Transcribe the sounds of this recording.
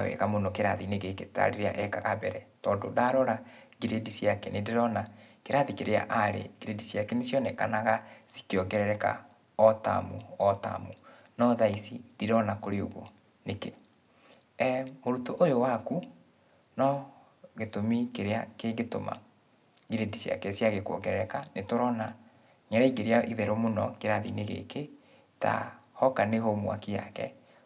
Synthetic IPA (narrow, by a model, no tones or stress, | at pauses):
awɛ̰ɣamonokeɾaðineɣeketa̰ɾeɾea̰ʔɛkaɣabɛɾɛtɔːndo̰daɾɔɾaɡiɾedisjakɛnendeɾɔnakeɾaðikeɾea̰ʔaɾḛɡiɾedisiakɛnesjɔnɛkanaɣasi̥keɔɡɛɾɛɾɛka̰ | ɔta̰muɔta̰mu | nɔðaisid̥iɾɔnakoɾeoɣo̰ | neke | ɛmoɾutoʔojowaku | nɔ | ɣetomikeɾeakeɡeto̰ma̰ | ɡiɾendisja̰kɛsjaɣekwɔ̰ŋɡɛɾɛɾɛkanetoɾɔna | ɲɛɾaiɡeɾeaʔiðɛɾomonɔ̰keɾaðḭneɣḛke | ta̰hɔkanehomwa̰kija̰kɛ̰